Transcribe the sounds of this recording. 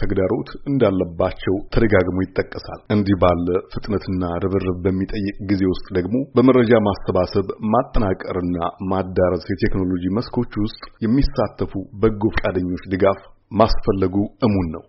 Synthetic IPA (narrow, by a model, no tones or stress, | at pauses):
t̪ʰəɡd̪aɾo̞t̪ɨnd̪alːəbːat͡ʃːɛwt̪ʰəd̪əɡaɡmojɪt̪ʼːəkʼːəsa̰lʔɨnd̪ibalːəfɨt̪ʼnət̪ʰɨnːaɾɨβɨrɨbbəmːit̪ʼəjːɨkʼɡize̞wʊst̪ʼd̪əɡmo̞bəməɾːəd͡ʒamasːəβasəβmat̪ʼːənakʼəɾɨnːamad̪ːaɾəsjɛt̪ʰe̞kno̞lo̞d͡ʒiməskʰo̞t͡ʃːwʊst̪ʼjɛmːisat̪ʰːəfubəɡːo̞fkʼad̪əɲːo̞t͡ʃːd̪ɨɡafmasfəlːəɡuɨmunːəw